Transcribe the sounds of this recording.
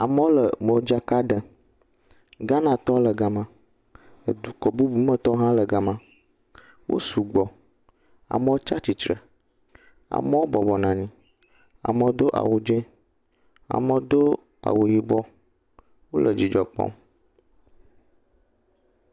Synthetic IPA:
a˨mə˦wo˦lə˨mə˨wo˦d͡ʒa˦ka˦ɖə˨ | ɡa˦nã˨t̪ɔ˦lə˨ɡa˨mã˨ | ə˨d̪u˨kɔ˨bu˦bu˦mə̃˦t̪ɔ˦ɦã˦lə˨ɡa˨mã˨ | wʔo̰˦su˨ɡ͡bɔ˨ | a̰˨mə˦o˦t͡ʃa˦t͡ɕi˨t͡ʃɾə̰˨ | a̰˨mə̃˦wo˦bɔ˨bɔ˨nã˨ɲĩ˨ | a̰˨mə̃˨d̪o˦ʔa̰˨wo˨d͡ʒẽ˦ | a̰˨mə˨d̪o˦ | a̰˨wo˨ji˨bɔ˦ | wo˦lʔə˨d͡ʑi˨d͡ʒɔ˨k͡pɔ̰˦

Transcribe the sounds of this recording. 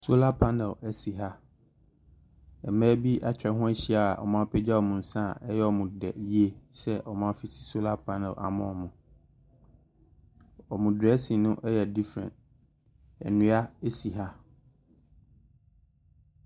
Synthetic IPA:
so˦la˦pʰa˦nɛ˨lɛ˦si˨ɦa˦ | ɛ̰˨mɛ̃ː˦bi˦ʔa˦t͡ɕᶣɛ˨ɦʊ̃˦æ˦ɕi˦a˦a˨ʔɔ̰˨mã˦pʰɛ˦d͡ʑɛ˦ɔ˨mũ˨n̩˨sã˦˨ɛ˦jɛ˦ɔ˨mũ˨dɛ̰˨ji˦e˦ɕɛ˦ʔɔ˨mã˦fi˦sʰi̥˦so˦la˦pʰa˦nɛ̰˨lʔa̰˨mɔ̰̃˦˨mʊ̃˨ | ɔ˨mũ˨dɛ˦sĩ˨nʊ̃˦ʔɛ˦jɛ˨di˦fɾɛ̰̃˨nt | ɛ̰˨nũ˨˦a˦e˦si˨ɦa˦

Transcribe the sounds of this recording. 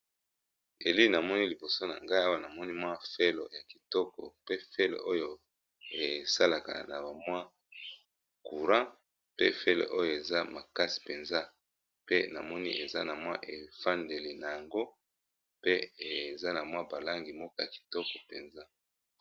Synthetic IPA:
e˨li˦na˨mɔ˦ni˦li˨bo˨so˦na̰˨ŋɡa˦i˦a˦wa˦na˨mɔ˦ni˦mwa˦fe˦lo̰˨ja˨ki̥˨tɔ˦kɔ̰˨pe˦fe˦lo̰˨ʔo˦jo˨ | e˨sa˦la˨ka̰˨na˨ba˨mwa˦ | ku˨ʁã˦ | pḛ˦fe˦lo̰˨ʔo˦jo˨e˨za˦ma˨ka˦si̥˨pe˨nza˦ | pe˦na˨mɔ˦ni˦ʔe˨za˦na˨mwa˦ʔe˨fa˦nde˨le˨na˨ja˨ŋɡo˦ | pe˦e˨za˦na˨mwa˦ba˨la˦ŋɡi˨mɔ˦kɔ˦ja˨ki̥˨tɔ˦kɔ˨pe˨nza˦

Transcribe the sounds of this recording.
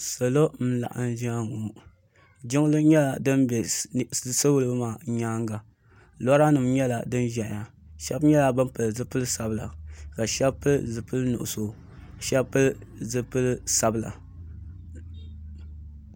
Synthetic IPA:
sa˨lo˦m̩˦la̰˨ʔa̰˨n˦ʒi˦a˦ŋu˨ | d͡ʒɪ˦ŋ˦lɨ˦ɲɛ˦la˨dɨ˦nbɛ˨˦ | sɨ˦wu˦lɨ˦bmaː˨˦ɲaː˦ŋɡa˨ | lɔ˦ɾa˦nɨ˨mɲɛ˦la˨dɨ˦nʒɛ˨ʔa˨ | ʃɛ˦bɲɛ˦la˨bɨ˦mpɨ˨lzɨ˦pɨ˦lɨ˦sa˨bla̰˨ka˨ʃɛ˦bpːɨ˦lzɨ˨pɨ˦lnʊ̰˨ʔʊ˨so˨ | ʃɛ˦bpːɨ˦l | zɨ˦pɨ˦lsa˨bɨ˦˨la̰˨

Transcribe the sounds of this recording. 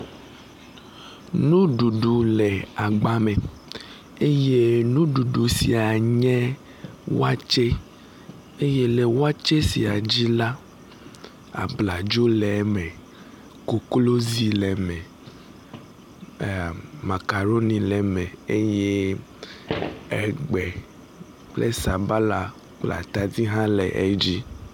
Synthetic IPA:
nũ˦ɖu˨ɖu˨lɛ˨a˨ɡ͡ba˦mɛ̃˨ | e˦je˦nũ˦ɖu˨ɖu˨si˨a˨ɲɛ̃˦ | wo̰˦a˦t͡ʃe˦ | e˦je˦le˨wo˦a˦t͡ʃe˦si˨a˨d͡ʑi˦la˦ | a̰˨bla˨d͡ʒo˦lɛ˨˦mɛ̃˨ | ko˨klo˦zi˦lɛ˨mɛ̃˨ | ma˨ka˨ɾo˦nĩ˨lɛ˨mɛ̃˨e˦je˦ | ɛ˨ɡ͡bɛ˨ | k͡plḛ˦sa˨ba˦la˨ | k͡pla̰˨t̪a˨d̪i˦ɦã˦lɛ˨ʔɛ̰˦d͡ʑi˦

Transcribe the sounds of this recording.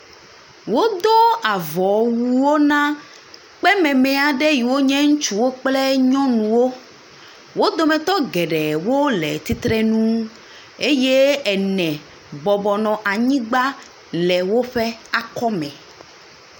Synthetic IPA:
wo˦d̪o˦a˨vɔ˨wu˨wo˦nã˦ | k͡pɛ˦mɛ̃˨mɛ˨a˨ɖɛ˦ji˨wo˦ɲɛ̃˦ŋũ˦t͡ʃu˦wo˦k͡plɛ˦ɲɔ̃˦nũ˨wo˦ | wo˦d̪o˨mɛ̃˨t̪ɔ˦ɡɛ˨ɖɛ˨wo˦lɛ̰˨t̪i˦t̪ɾɛ˦nũ˦ | e˦je˦ɛ˨nɛ̃˨ | bɔ˨bɔ˨nɔ̃˨ʔa˨ɲĩ˦ɡ͡ba˦ | lɛ˨wo˦ɸɛ˦a˨kɔ˦mɛ̃˨

